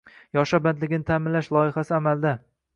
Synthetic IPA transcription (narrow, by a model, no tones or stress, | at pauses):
jɒʃaband̪lɪɡʲɪnɪt̪ʰaːmɪnlaʃlˠɒɪχasɪamald̪a